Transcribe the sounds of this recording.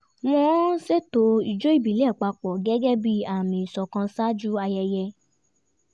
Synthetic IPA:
mɔ̃˦se˦to˧˦i˨d͡ʒo˨˦i˦˨bi˨lɛ˦˨k͡pa˧k͡pɔ˨ɡɛ˦ɡɛ˦bi˦a˦˨mĩ˨sɔ˧kã˧sa˦d͡ʒu˦a˧jɛ˧jɛ˧

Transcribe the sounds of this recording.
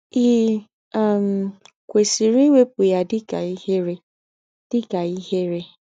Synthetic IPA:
i˨ | a˨m̩˨ | kʷe˨si˨ɾi˦we˦pʊ˨ja˦dɪ˦ka˨i˦he˦ɾe˦ | d̥ɪ˦ka˨i˦he˦ɾe˦

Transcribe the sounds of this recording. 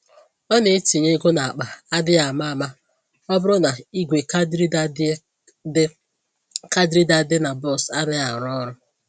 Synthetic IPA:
ɔ˦ne˨˦ti˨ɲe˦ɡo˦na˨a˨k͡pa˨a˦dɪ˦a˨ma˦a˨ma˦ | ɔ˦bʊ˦ɾʊ˦na˨i˦ɡʷe˨kdɾi˦ | ka˦dɾi˦da˦dɪ˦na˨bɔ˦˨sa˦nɪ˦a˨ɾɔ˦ɾʊ˦

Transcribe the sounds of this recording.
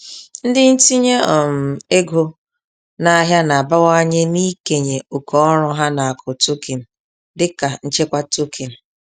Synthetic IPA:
n̩˦dɪ˦n̩˦ti˦ɲe˦ɔ˨m̩˨e˦ɡo˦ | na˦ɦja˦na˨a˨ba˦wa˦ɲe˦ni˦ke˨ɲe˨ʊ˨kɔ˦ɔ˦ɾʊ˦ɦa˦na˨a˨kʰʊ˨to˦ki˨n̩˨ | dɪ˦ka˨n̩˦t͡ʃe˦kʷa˦to˦kʰi˨n̩˨

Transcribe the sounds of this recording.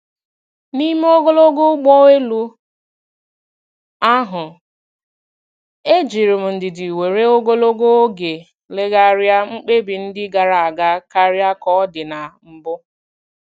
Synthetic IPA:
ni˦m˦o˦ɡo˦lo˦ɡo˦ɡ͡bɔ˦e˦lu˦ | a˦ɦʊ˨ | e˦d͡ʒi˨ɾɪ˨m̩˨n̩˨dɪ˨di˨we˨ɾe˦o˦ɡo˦lo˦ɡo˦o˦ɡe˨ | le˦ɣa˦ɾja˦ŋ͡m̩˦k͡pe˦bi˨n̩˦dɪ˦ɡa˨ɾa˨a˨ɡa˦ka˦ɾja˦kɔ˦ɔ˦dɪ˨na˨m̩˨bʊ˦

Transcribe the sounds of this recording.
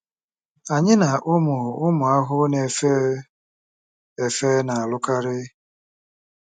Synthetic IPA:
a˨ɲɪ˦na˨ʔʊ˦mʊ˨ʊ˦mʊ˨a˦ɦʊ˦ne˨fe˦ | e˨fe˦na˨a˨lʊ˦ka˦ɾɪ˦

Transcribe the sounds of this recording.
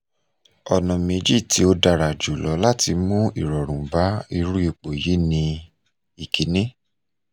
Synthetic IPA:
ɔ˨nɔ̃˨me˧d͡ʒi˦˨ti˧˦o˧da˧˨ɾa˨d͡ʒu˨lɔ˨˦la˦˨ti˧mũ˦ḭ˨ɾɔ˨ɾ̃ũ˨ba˨˦i˧ɾu˦i˦˨k͡po˨ji˨˦nĩ˧ | i˨ki˨˦nĩ˦

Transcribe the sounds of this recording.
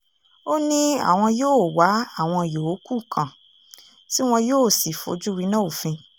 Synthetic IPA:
o˦nĩ˦a̰˦˨w̃ɔ̃˧joː˦˨wa˨˦a˦˨w̃ɔ̃˧˨jo˨o˨˦ku˦˨kʰã˨ | si˦w̃ɔ̃˧joː˦˨si˨fo̰˨˦d͡ʒu˦ɾi˨˦nã˦o˨fĩ˧

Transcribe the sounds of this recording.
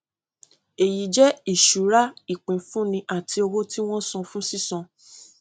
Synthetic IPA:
e˨ji˨d͡ʒɛ˦i˦˨ʃu˨ɾa˦i˦˨k͡pĩ˨fũ˦nĩ˧ʔa˨ti˧o˧wo˦ti˦w̃ɔ̃˦sɔ̃˧fũ˦si˦˨sɔ̃˧

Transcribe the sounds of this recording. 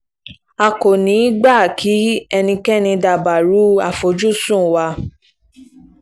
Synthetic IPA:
a˨ko˨nĩ˨˦ɡ͡ba˦˨kʰi˨˦ɛ˧nĩ˧kɛ˦nĩ˧da˨ba˨ɾu˨˦a˦˨fo˨˦d͡ʒu˦sũ˦˨wa˧

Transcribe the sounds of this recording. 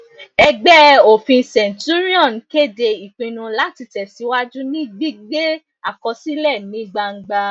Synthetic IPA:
ɛ˧ɡ͡bɛ˦o˨fĩ˧˦sɛ̃˨n˨tu˦ɾi˦ɔ̃˦˨n˨ke˦˨de˧i˨k͡pĩ˧nũ˧la˦ti˧tɛ˨si˨˦wa˦d͡ʒu˦nĩ˦ɡ͡bi˦ɡ͡be˦ | a˨kɔ˧si˦lɛ˦˨nĩ˨˦ɡ͡ba˧ŋ̩˦˧ɡ͡ba˧

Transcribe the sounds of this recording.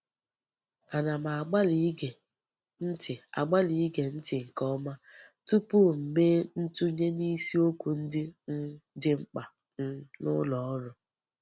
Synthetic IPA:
a˨na˨ma˨a˨ɡ͡ba˦li˦ɡe˨ | n̩˦tɪ˨a̰˨ɡ͡ba˦li˨˦ɡe˨n̩˦tɪ˨ŋ̩˨kɔ˦ma˦tu˦pʊ˦m̩˨meː˦n̩˦tu˦ɲe˦ni˦si˦o˦kʷu˨n̩˦dɪ˦n̩˦dɪ˦ŋ͡m̩˦k͡pa˨ | n̩˦nʊ̰˦lɔ˨ɔ˦nʊ˨

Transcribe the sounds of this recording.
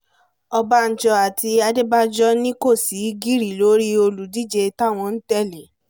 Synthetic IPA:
ɔ˧ba˧n̩˨t͡ʃɔ˧a˨ti˧a˧de˦ba˦d͡ʒɔ˦nĩ˦ko˦˨si˨˦ɡi˦ɾi˨lo˨˦ɾi˦o˧lu˨di˦˨d͡ʒe˧ta˦˨w̃ɔ̃˧n̩˦tɛ˦˨li˨

